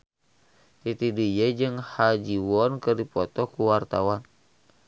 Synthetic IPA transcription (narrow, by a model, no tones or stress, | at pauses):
t̪it̪idijəd͡ʒɨŋhad͡ʒiwɔnkɨrdipɔt̪ɔkuwart̪awan